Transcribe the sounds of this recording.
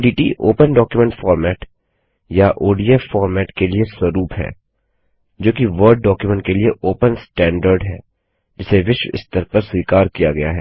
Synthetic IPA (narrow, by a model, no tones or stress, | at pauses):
ɖiːʈḭːʔoːpənɖɔːkjumɛ̃ɳʈfɔːɾmɛːʈ | jaʔoːɖiəfɔːɾmɛːʈkelieswɐɾuːpɦɛ̰ː | d͡ʒoːkiʋəɾɖ̚ːɔːkjumẽɳʈkelieʔoːpənsʈɛ̃ːɳɖəɾɖɦɛː | d͡ʒɪseʋɪʃʋɪ̰st̪əɾpɐɾswiːkaːɾkijaɡɐja̰ɦɛː